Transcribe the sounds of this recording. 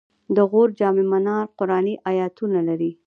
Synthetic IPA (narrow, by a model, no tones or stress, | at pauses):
d̪əɣoɾd͡ʒɑmemanɑɾqʊɾɑniʔajɑt̪unalaɾi